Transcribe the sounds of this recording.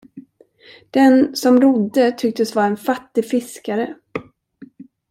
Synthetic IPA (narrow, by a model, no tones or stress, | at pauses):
d̪̥ɛnsɔmɾʊd̪ːət̪ʰʏk̚t̪əsvaɾɛnfat̪ːɪfɪskaɾə